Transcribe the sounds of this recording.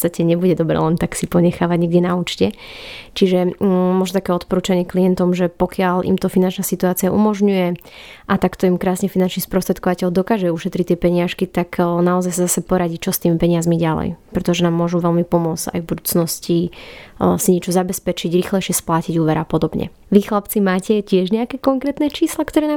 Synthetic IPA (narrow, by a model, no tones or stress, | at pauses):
t͡sst̪acɛɲɛbuɟɛd̪ɔbɾɛ̰lɛnt̪aksipɔɲɛxaːʋaɟɲɛɡɟɛnauːt͡ʃcɛt͡ʃiʒɛmɔʒnɔt̪akɛːɔt̪pɔɾuːt͡ʃaɲɪɛkliɛnt̪ɔmʒɛpɔkɪaʎʔḭmt̪ɔfinant͡ʃnasit̪uaːt͡siaʔṵmɔʒɲujɛ | ʔat̪akt̪ɔimkɾaːsɲɛfinant͡ʃnispɾɔst̪ɾɛt̪̚kɔʋacɛʎd̪ɔkaːʒɛuʃɛt̪ɾic̚t̪ːɪɛpɛɲɪaʃkit̪aknaɔzajsazasɛpɔɾaɟit͡ʃɔst̪iːmipɛɲɪazmiɟalɛ̰jpɾɛt̪ɔʒɛnaːmːʊɔʒuʋɛlmipɔmʊɔd͡za̰jvbud̪uːt͡snɔsci | siɲɪɛt͡ʃɔzabɛspɛt͡ʃiɟɾixlɛjʃɪɛsplaciɟuːʋɛɾapɔd̪ɔbɲɛ̰ | ʋixlap̚t͡simaːcɛcɪɛʒɲɛakɛkɔŋkɾɛːt̪nɛt͡ʃiːslakt̪ɔɾɛːna